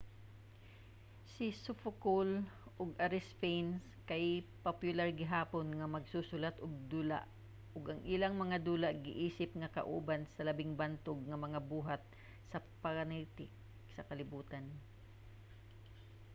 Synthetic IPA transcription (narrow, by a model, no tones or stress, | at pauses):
sɪsʊfʊkolʔʊɡʔaɾɪspejns | kajpopjʊlaɹɡɪɦaːponŋɐmɐɡsusʊlat̪ʔʊɡ̚d̪ula̰ʔ | ʔʊɡʔɐŋʔɪlaŋmɐŋad̪uːlaʔɡɪʔiːsɪpŋɐkɐ̰ʔṵːbansɐlɐbɪŋbant̪ʊɡ̚ŋɐmɐŋabuːɦat̪̚ | sɐpaɾanit̪ɪk | sɐkɐlɪbuːt̪an